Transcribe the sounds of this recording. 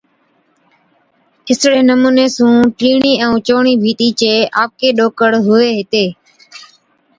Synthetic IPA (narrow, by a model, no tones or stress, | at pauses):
ɪsɽeːnəmuːneːsũːʈiːɳiːɛ̃ũːt͡ʃoːɳiːbʱiːt̪iːt͡ʃeːʔaːp̚keːɗoːkəɽɦʊeːɦɪt̪eː